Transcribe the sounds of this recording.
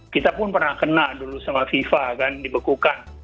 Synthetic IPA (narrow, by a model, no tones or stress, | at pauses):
kit̪apʊnpərnahkənaldulusamafifakandibəkukan